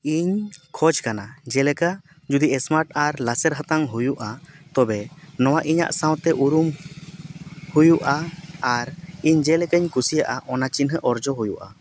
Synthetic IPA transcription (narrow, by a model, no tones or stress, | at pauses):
iɲkʰɔd͡ʒkanad͡ʒɛlɛka | d͡ʒud̪iʔɛsmaɾʈaɾlasɛɾɦət̪aŋɦujuʔat̪ɔbɛnɔwaʔiɲa̰ʔsãw̃t̪ɛʔuɾum | hujuʔaːɾiɲd͡ʒɛlɛkəɲkusijaʔaʔɔnat͡ʃinɦəʔɔɾd͡ʒɔɦujuʔa̰